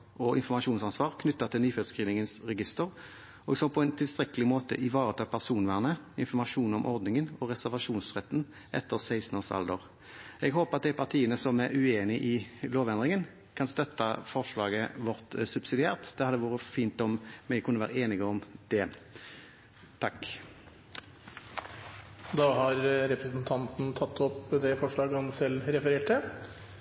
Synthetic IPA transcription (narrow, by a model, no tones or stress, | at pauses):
ɔɪ̰nfɔʁmɑʂuːnsɑnsʋɑːʁkʰnʏt̪ːɑt̪ʰɪlnyːføːd̪skʁiːʋnɪŋənsɾɛɡɪst̪əʁ | ʔɔɡsɔpʰɔɛnt̪ʰɪlst̪ɾɛkəlɪmoːt̪ə̰ʔɪʋɑːʁət̪ʰɑːpʰæʁsuːnʋæːʁnə | ɪ̰nfɔʁmɑʂuːnɔmʔɔʁd̪nɪŋənɔɾɛsæʁʋɑʂuːnsʁɛt̪ːn | ʔɛ̰t̪ːəʁsæɪst̪noːsɑ̰ld̪əʁ | ɛɡɦoːpəʁɑt̪̚d̪æɪpʰɑʁt̪ʰiːənəsɔmæɾʉeːnɪʔɪloːʋɛnd̪ʁɪŋən | kʰɑnst̪œt̪ːɑfɔʁʂlɑːɡəʋɔʁt̪sʉbsɪd̪ɪæːʁt̪d̪̥ɛhɑd̪ːəʋuːʁəfiːnt̪ɔmmɛkʰʉnːəʋæ̰ːʁəeːnɪɡəɔmd̪̥ɛ | t̪ʰɑk | d̪ɑːɦɑɾɾɛpɾəsnt̪ʰɑnt̪n̩t̪ʰɑt̪ʰːɔpd̪ɛfɔʂlɑːɡəhɑnsɛlːɾɛfəɾeːʈə